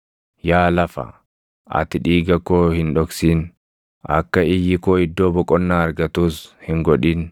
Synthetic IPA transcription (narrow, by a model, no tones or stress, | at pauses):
jaːlɐfɐ̰ | ɐ̰t̪ɪᶑiːɡɐkːoːhɪnᶑɔksiːn | ʔɐ̰kːɐɪjɪkoːɪd̪ːoːbɔkʼɔnːaːɐɾɡɐt̪uːshɪŋɡɔᶑiːn